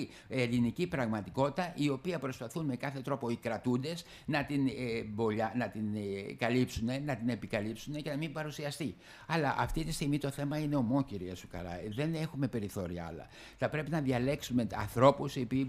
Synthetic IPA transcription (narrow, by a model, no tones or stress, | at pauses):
i | e̞linicipɾɐɣmɐt̪iko̞t̪it̪ɐʔio̞piɐpɾo̞spɐθunme̞kɐθe̞t̪ɾo̞po̞ikɾɐt̪und̪e̞s | nɐt̪inebo̞ʎɐnɐt̪inkɐlipsune̞nɐt̪ine̞pikɐlipsunece̞nɐmimbɐɾusiɐst̪i | ɐlɐʔɐ̰ft̪it̪ist̪iɣmit̪o̞θe̞mɐine̞o̞mo̞ciɾiɐsukɐ̰ɾɐ̰ðe̞ne̞xume̞pe̞ɾiθo̞ɾiɐɐ̰lɐ̰ | θɐpɾe̞pinɐðɐle̞ksumeɐ̰nθɾo̞pusiopi